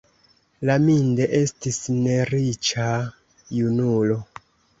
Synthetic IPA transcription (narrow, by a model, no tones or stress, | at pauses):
laminde̞ʔe̞stisne̞ɾit͡ʃa | junulo̞